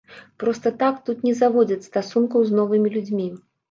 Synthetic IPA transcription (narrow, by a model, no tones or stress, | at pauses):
pɾɔst̪ɐt̪akt̪ut̪nʲɛzavɔd͡zʲɐt͡sʲst̪asunkɐwznɔvɨmʲilʲud͡zʲmʲi